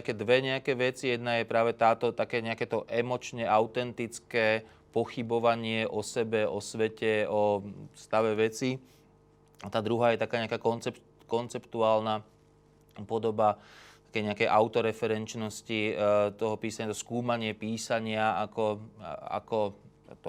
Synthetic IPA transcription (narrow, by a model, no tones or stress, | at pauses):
t̪akɛːd̪ʋɛɲɛakɛːʋɛt͡sijɛd̪najɛpɾaːʋɛt̪aːt̪ɔt̪akɛːɲɛakɛːt̪ɔʔɛmɔt͡ʃɲɛʔaʊt̪ɛnt̪it͡skɛː | pɔxibɔʋaɲɪɛʔɔsɛbɛɔsʋɛcɛɔst̪aʋɛʋɛt͡si | at̪aːd̪ɾuɦaːjɛt̪akaːɲɛakaːkɔnt͡sɛp | kɔnt͡sɛpt̪uaːlna | pɔd̪ɔbat̪ḁkɛjɲɛakɛjʔaʊt̪ɔɾɛfɛɾɛnt͡ʃnɔscit̪ɔɦɔpiːsaɲat̪ɔskuːmaɲɪɛpiːsaɲɪaakɔa̰kɔ | t̪ɔ